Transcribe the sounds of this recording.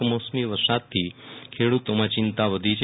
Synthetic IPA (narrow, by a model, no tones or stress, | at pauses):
mosmiʋəɾsat̪ʰːikʰeɽut̪omãt͡ʃɪnt̪aʋəd̪ʱit͡ʃʰ